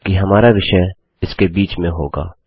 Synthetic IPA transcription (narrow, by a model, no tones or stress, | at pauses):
kiɦɐmaːɾaʋɪʃɛ | ɪskebiːt͡ʃmẽɦo̰ːɡa̰ː